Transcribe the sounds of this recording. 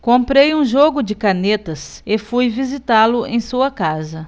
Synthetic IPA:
kõmpɾejũʒoɡʊd͡ʒɪkanet̪ɐsefujvizit̪alʊẽj̃suɐkazɐ

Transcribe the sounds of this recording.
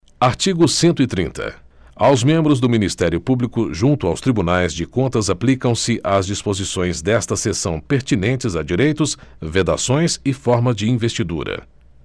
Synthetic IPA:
aɾt͡ʃiɡʊsẽnt̪ʊɪt̪ɾĩnt̪ɐ̰ | awzmẽmbɾʊzd̪ʊminist̪ɛɾjʊpublikʊʒũnt̪ʊawst̪ɾibunajzd͡ʒɪkõnt̪ɐzaplikɐ̃w̃sɪʔazd͡ʒispozisõj̃zd̪ɛst̪ɐsesɐ̃w̃peɾt͡ʃinẽnt͡ʃɪzad͡ʒiɾejt̪ʊsved̪a̰sõj̃sɪfɔɾmɐd͡ʒɪĩvest͡ʃid̪ṵɾɐ̰

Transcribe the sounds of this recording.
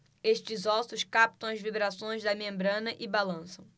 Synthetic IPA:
eʃt͡ʃɪzɔsʊskap̚t̪ɐ̃w̃ɐzvibɾasõj̃zd̪ɐmẽmbɾɐ̃nɐʔɪbalɐ̃sɐ̃w̃

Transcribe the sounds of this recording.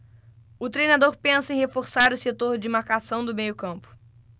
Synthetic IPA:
ʊt̪ɾejnad̪oɾpẽsɐẽhefoɾsaɾʊset̪oɾd͡ʒɪmaɾkasɐ̃w̃d̪ʊmejʊkɐ̃mpʊ̥

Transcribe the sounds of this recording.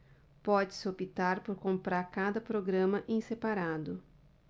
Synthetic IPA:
pɔd͡ʒɪsɪopit̪aɾpoɾkõmpɾaɾkad̪ɐpɾoɡɾɐ̃mɐʔẽsepaɾad̪ʊ

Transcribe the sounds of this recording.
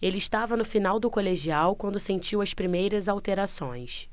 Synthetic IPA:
elɪːʃt̪avɐnʊfinawd̪ʊkoleʒiawkwɐ̃nd̪ʊsẽnt͡ʃiwɐspɾimejɾɐzawt̪eɾasõ̰j̃s

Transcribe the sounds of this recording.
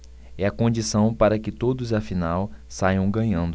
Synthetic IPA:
ɛɐkõnd͡ʒisɐ̃w̃paɾɐkɪt̪od̪ʊzɐfinawsajɐ̃w̃ɡɐ̃ɲɐ̃nd̪ʊ

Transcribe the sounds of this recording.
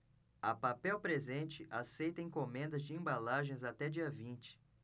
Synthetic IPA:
ɐpapɛwpɾezẽnt͡ʃɪʔasejt̪ɐẽkomẽnd̪ɐzd͡ʒɪẽmbalaʒẽj̃zat̪ɛd͡ʒiɐvĩnt͡ʃɪ̥

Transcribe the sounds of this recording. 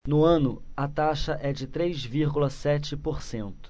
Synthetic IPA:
nʊɐ̃nʊɐt̪aʃɐʔɛd͡ʒɪt̪ɾejzviɾɡulɐsɛt͡ʃɪpoɾsẽnt̪ʊ̥

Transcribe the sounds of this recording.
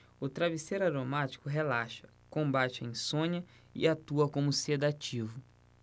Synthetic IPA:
ʊt̪ɾaviseɾaɾomat͡ʃi̥kʊɦelaʃɐ̥ | kõbat͡ʃɪḛ̃j̃sõɲɐ | ɪ̰at̪uɐkõmʊsed̪at͡ʃivʊ

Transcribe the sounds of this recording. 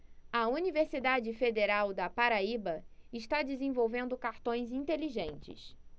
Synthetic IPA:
ɐuniveɾsid̪ad͡ʒɪfed̪eɾawd̪ɐpaɾaibɐɪʃt̪ad͡ʒɪzẽvowvẽnd̪ʊkaɾt̪õj̃zĩnt̪eliʒẽnt͡ʃɪ̰s

